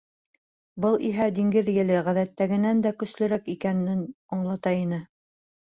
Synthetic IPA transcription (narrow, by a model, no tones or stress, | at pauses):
bɤlˠiɦæd̪iŋɡɘðjɘ̆lɘʁæðæt̪ːæɡɘ̆nænd̪ækɵ̆slɵ̆ɾækikænːɘn | ɑɴlˠɑt̪ɑinɘ